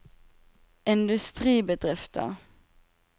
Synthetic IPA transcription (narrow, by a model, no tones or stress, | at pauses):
ʔɪnd̪ʉst̪ʁiːbəd̪ʁɪft̪ʰə̰ʁ